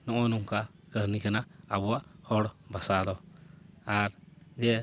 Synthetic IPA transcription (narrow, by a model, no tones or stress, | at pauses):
nɔʔɔnɔŋka | kəɾnikanaːbɔwaʔhɔɽbasad̪ɔ | aɾd͡ʒɛ